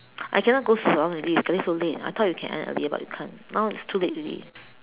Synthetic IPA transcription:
ʔajkʰɛ̃nɔt̚ɡosolãiliisɡ̥alĩŋsolet̚a̰jt̪ʰɔt̚jukʰɛ̃nʔɛ̰̃nə̰lḭəba̰tjukʰãnnaʊɪtstʰulet̚ɹilḭ

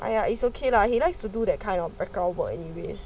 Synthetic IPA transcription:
ʔa̰jaʔitsokʰelahilajkstududɛt̚kʰãɪ̃ndɔfbɛkaʊfɔ̰ɛ̰niɹes

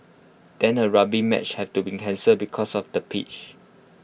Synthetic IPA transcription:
d̥ɛ̃nəɹabimɛ̰t͡ʃhɛftubikʰɛ̃nsəlbikʰɔsɔfdəpit͡ʃ

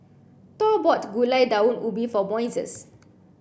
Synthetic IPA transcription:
tɔbɔtɡulajdawũnubifɔbɔ̃jsə̰s

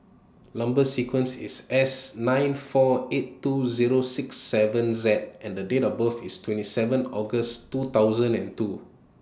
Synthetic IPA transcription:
lãmbəsikwə̃nsḭsɛsnãɪ̃nfɔetːuziɹosɪksːɛvə̃nzɛt̚ʔɛ̃ndədetɔbəfistʰwɛ̃ntisɛvə̃nɔɡəstut̪aʊzə̃nɛ̃ntu

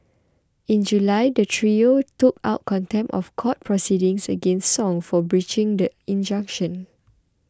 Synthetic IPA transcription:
ĩnd͡ʒulaɪdətʰɹiotuka̰ʊt̚kʰɔ̃ntʰɛ̃mɔ̰fkʰɔt̚pʰɹɔsidɪ̃ŋsəɡẽnstsɔ̃ŋfɔbɹit͡ʃɪ̃ŋdəĩnd͡ʒãŋkʃə̃n

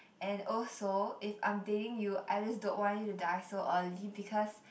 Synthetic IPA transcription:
ʔɛ̃nɔlsoʔɪfã̰ɪ̃mpeɪ̃ŋjua̰ɪd͡ʒasdõntwɔ̃njutudajsoʔənlibikʰɔs

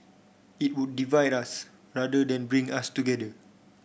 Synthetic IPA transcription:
it̚wud̚divajdas | ɹadədɛ̃nbɹĩŋastuɡɛdə

